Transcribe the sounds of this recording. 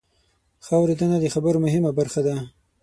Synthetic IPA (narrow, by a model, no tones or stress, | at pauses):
xawɾed̪ənad̪əxabəɾomʊɦɪmabaɾxad̪a